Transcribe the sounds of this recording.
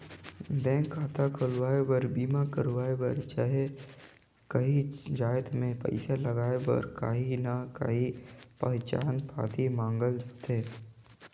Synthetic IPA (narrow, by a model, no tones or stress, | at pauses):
bɛ̃ːŋkʰːaːt̪akʰʊlʋaːewəɾbiːmakəɾwaːebəɾt͡ʃaːɦe | kɐɦid͡ʒaːjt̪mẽpɐ̰ɪsaləɡaːebɔ̰ːɾka̰ːɦinaka̰ɦipəɦt͡ʃa̰ːnpʰa̰ːt̪ʰimãːŋɡəld͡ʒat̪eː